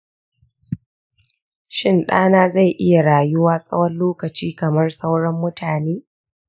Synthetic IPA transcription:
ʃɪ˦nɗa̰ː˦naː˦za˦˨jʔɪ˦ja˨ɽaː˨jʊ˦waː˦sʼɐ̰˦wɐ˦nloː˦kɐ˨t͡ʃiː˦kɐ˨mɐ˦rsa˦wɽɐ˦mːʊ˦tʰaː˨neː˦

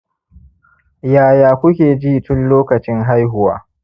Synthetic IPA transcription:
jaː˦jaː˨kʷʊ˦kʲeː˨d͡ʒiː˦tʊ˦nloː˦kɐ˨t͡ʃɪ˦ŋɦa˦jɦʊ˨wa̰ː˦

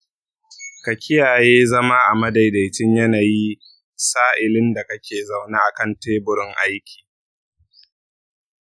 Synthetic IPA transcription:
kɐ˨kʲʰɪ˦jaː˨jeː˦zɐ˦ma˦ʔa̰˨mɐ˦da˨jda˨jt͡ʃɪ˦ɲjɐ˦naː˨ji˦ | saː˦ʔɪ˨lɪ˦nda˨kɐ˦kʲʰeː˨za˨wnaː˦ʔa˨kɐ˦˨nteː˦bʊ˨ɽɪ˦ŋʔa˦jkʲi̥ː˨

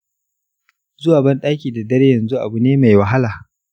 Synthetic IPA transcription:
zʊ˦waː˨bɐ˦nɗaː˦kʲiː˨da˨dɐ˦ɾjɐ˨nzu˦ʔa̰˨bu˨neː˦ma˨jwɐ˨ɦa˦laː˨

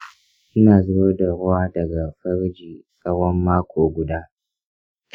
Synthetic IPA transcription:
ʔɪ˦naː˨zʊ˦ɽa˦da˨ɾʊ˦waː˦dɐ˨ɡa˨ɸɐ˦ɾd͡ʒiː˨kɐ˦wɐ˦mːaː˦kʷʰoː˨ɡʷʊ˨daː˦

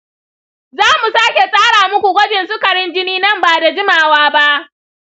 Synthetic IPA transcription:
zaː˦mu˨saː˦kʲe˨sʼaː˦ɽaː˨mʊ˦kʷu˨ɡʷɐ˦d͡ʒɪ˨nsʊ˦kɐ˨ɽɪ˦nd͡ʒɪ˦niː˦nɐ˦mbaː˨da˨d͡ʒɪ˦maː˨waː˦ba˦ʔ

